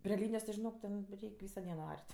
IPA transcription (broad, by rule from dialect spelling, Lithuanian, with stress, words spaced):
pʲrʲeː ˈlʲiːnʲɪjoːs ʒʲɪˈnoːk tʲɛn ˈrʲɛɪkʲ ˈʋʲiːsoː ˈdʲiɛnoː ˈɐrʲtʲ